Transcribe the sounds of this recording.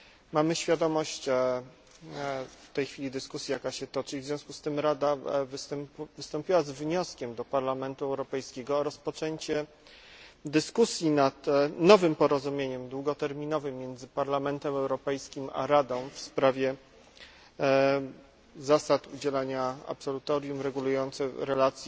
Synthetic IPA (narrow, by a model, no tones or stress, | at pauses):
mamɘɕfʲjad̪ɔmɔɕt͡ɕ | ft̪ɛjxfʲilʲid̪ɘskusʲjajakaɕɛt̪ɔt͡ʂivzʲjɔ̃w̃skust̪ɘmɾad̪avɘst̪ɛmpvɘst̪ɔmpʲiwazvɲɔskʲɛmd̪ɔpaɾlamɛnt̪uɛwɾɔpɛjskʲɛɡɔːɾɔspɔt͡ʂɛɲt͡ɕɛ | d̪ɘskusʲjinat̪nɔvɘmpɔɾɔzumʲjeɲɛmd̪wuɡɔt̪ɛɾmʲinɔvɘmʲːjɛnd̪zɘpaɾlamɛnt̪ɛmɛwɾɔpɛjskʲima̰ɾad̪ɔ̃w̃fspɾavʲjɛ | zasat̪ud͡ʑɛlaɲaa̰psɔlut̪ɔɾjumɾɛɡulujɔnt̪sɛɾɛlat̪sʲ